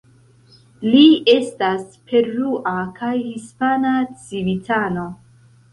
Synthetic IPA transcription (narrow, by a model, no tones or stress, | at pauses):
lie̞staspʰe̞ɾɾuʔakajhispanat͡sivitʰano̞